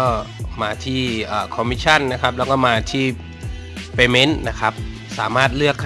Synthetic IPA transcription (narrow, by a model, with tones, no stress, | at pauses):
ɔː˥˩maː˧t̪ʰiː˥˩ʔaː˨˩kʰɔ˧mi˦˥k̚t͡ɕʰa˥˩nna˦˥kʰa˦˥p̚lɛː˦˥wkɔː˥˩maː˧t̪ʰiː˥˩ | peː˧me˦˥nna˦˥kʰa˦˥p̚ | saː˩˦maː˥˩t̪̚lɯ˥˩əkʰːa˥